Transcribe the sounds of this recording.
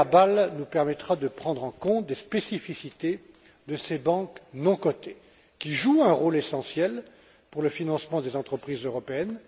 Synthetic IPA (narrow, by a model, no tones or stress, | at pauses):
abalnupɛʁmɛt̪χad̪əpχɑ̃d̪ʁɑ̃kɔ̃t̪̚d̪espesifisit̪e | d̪əsebɑ̃knɔ̃kɔt̪e | kʲiʒuɛ̃ʁolesɑ̃sjɛl | puʁləfinɑ̃smɑ̃d̪ezɑ̃t̪χəpχizøʁɔpeɛn